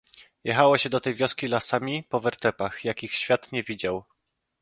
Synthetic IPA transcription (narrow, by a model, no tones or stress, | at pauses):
jɛxawɔɕɛd̪ɔt̪ɛjvʲjɔskʲilasamʲipɔvɛɾt̪ɛpaxjakʲixɕfʲjat̪ɲɛvʲid͡ʑaw